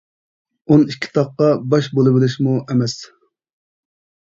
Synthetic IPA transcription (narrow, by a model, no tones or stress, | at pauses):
unikʲʰːi̥t̪ʰɑqːɑbɑʃbolˠɨbɪlɪʃmuʔɛmɛs